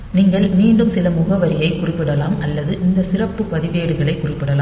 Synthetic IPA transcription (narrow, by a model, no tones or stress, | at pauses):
niːŋɡɐɭmiːɳɖɯmsɪlɐmʊɣɐʋɐɾɪjɐɪkʊrɪpːɪɽɐlaːmɐlːɐðɯʔɪnd̪ɐsɪrɐpːɯpɐðɪʋeːɽɯɣɐɭɐɪkːʊrɪpːɪɽɐlaː